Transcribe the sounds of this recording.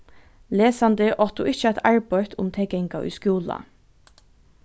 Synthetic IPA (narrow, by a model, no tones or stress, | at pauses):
leːsɑnd̪əʔɔt̪ṵːʔɪçt͡ʃəæɪt̪ɑɹbœʏt̪ʰʊmt̪ʰɛɡɛŋkɑʔʏ̰ːskuːlɑ̰